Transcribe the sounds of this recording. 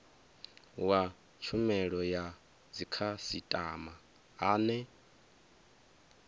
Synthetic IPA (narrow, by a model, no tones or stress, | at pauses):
wa | t͡ʃʰumɛɺɔja | d͡zikʰasitʼa̰ma | aːnɛ